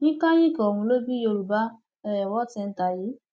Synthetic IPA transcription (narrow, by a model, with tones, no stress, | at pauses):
nĩ˦tã˦ji˦kɔ˨hũ˧lo˦bi˦jo˧ɾu˨ba˦ | ɛ˦˨wɔ˦tɛ̃˧n̩˦ta˨ji˨˦